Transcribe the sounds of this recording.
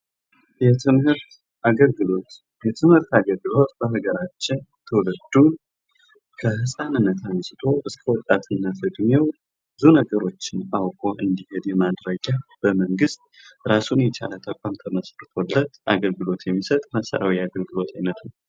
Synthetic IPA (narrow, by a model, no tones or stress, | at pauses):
jɛt̪ʰɨmhɨɾt̪ | aɡəlɡɨlo̞t̪ | jɛt̪ʰɨmhɨɾt̪aɡəlɡɨlo̞t̪b̥əɦɨɡəɾat͡ʃːɪnt̪ʰəwləd̪ːu | kʰəhɨsʼanɨnːət̪ʰansɨt̪ʰo̞ʔɨskʰəwɔt̪ʼat̪ʰʼɨnːafɨɡmew | bɨzunəɡəɾo̞t͡ʃːɪnawkʼo̞ʔɨnd̪ihe̞d̪jɛmad̪ɾəɡab̥əməŋɡɨst̪̚ | ɾasunjɛt͡ʃa̰lət̪ʰəkʷʼamt̪ʰəməsɾɨt̪ʰo̞lːət̪ʔa̰ɡəlɡɨlo̞t̪jɛmːisət̪ʼmasə̰ɾa̰wiaɡəlɡɨlo̞t̪ʰajnət̪nəw